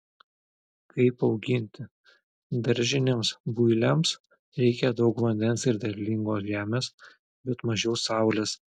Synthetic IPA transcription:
kɐɪpɒʊɡʲɪnʲt̪ʲɪ | d̪ɐɾʲʒʲɪnʲeːmsbʊɪlʲɛms | ɾʲɛɪkʲɛd̪ɒʊkʋɐnʲd̪ʲɛnsɪɾd̪ʲɛlʲlʲɪŋɡoːsʒʲæːmʲeːs | bʲɛt̪mɐʒʲɛʊsɑˑʊlʲes

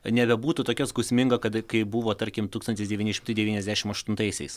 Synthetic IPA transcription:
nʲɛbʲɛbuːt̪ʊt̪oːkʲɛskʊsʲmʲɪŋɡɐkɐt̪kɐɪbʊʋoːt̪ɐɾʲkʲɪmt̪uːst̪ɐntʲɪsd̪ʲɛʋʲiːnʲɪʃʲɪmt̪ɐɪd̪ʲɛʋʲiːnʲɛzʲd̪ʲæːʃʲɪmɐʃt̪ʊnt̪ɐɪsʲɛ̰ɪs

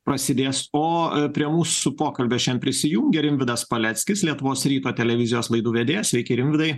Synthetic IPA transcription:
pɾɐsʲɪd̪ʲeːsoːpʲɾʲiɛmuːsʊpoːkɐlʲbʲeːʃʲɛnpʲɾʲɪsʲɪjuŋʲɡʲɛɾʲɪmʲʋʲɪd̪ɐspɐlʲɛt̪ʲsʲkʲɪslʲiɛt̪ʊʋoːsɾʲiːt̪oːt̪ʲɛlʲɛʋʲɪzʲɪjoːslˠɐɪd̪uːʋʲɛd̪ʲeːjsʲʋʲɛɪkʲɛɪɾʲɪmʲʋʲɪd̪ɐɪ

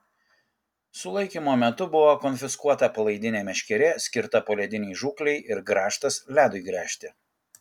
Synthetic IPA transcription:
sʊlˠɐɪkʲiːmoːmʲɛt̪ʊbʊʋoːkɔnʲfʲɪskuɔt̪ɐpɐlˠɐɪd̪ʲɪnʲeːmʲɛʃʲkʲɛɾʲɛːsʲkʲɪɾt̪ɐpoːlʲɛd̪ʲɪnʲɛɪʒuːklʲɛɪɪɾɡɾɑːʃt̪ɐslʲæːd̪ʊɪɡɾʲæːʃʲt̪ʲɪ

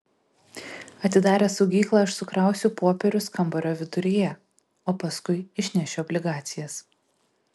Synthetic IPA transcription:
ɐt̪ʲɪd̪ɑːɾʲeːsɒʊɡʲiːklˠɑˑɪʃsʊkɾɑˑʊsʲuːpoːpʲɛɾʲʊskɐmbɔɾʲoːʋʲɪd̪ʊɾʲijɛ | oːpɐskʊɪɪʃʲnʲɛʃʲɛɔbʲlʲɪɡɑːt̪sʲɪjɛs

